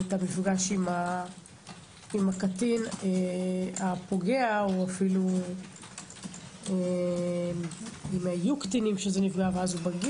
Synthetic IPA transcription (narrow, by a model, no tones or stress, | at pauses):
etamifɡaʃima | imakatineapo̞ɡeaoafilu | e | imajukt̪inimʃezenifɡaveazubaɡi